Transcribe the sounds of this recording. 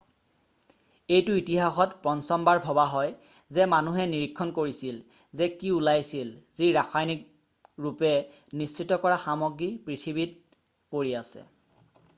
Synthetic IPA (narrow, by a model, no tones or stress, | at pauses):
ejtʊitiɦaxɔtpɹɔnsɔmbaɹbʱɔbaɦɔjzɛmanuɦɛniɹikʰːɔnkoɹisil | zɛkiulajsilziɹaxʰajnik̚ | ɹupɛ | nist͡ʃitːɔkɔɹaxamɔɡɹipɹitʰibit̚ | poɹiasɛ̰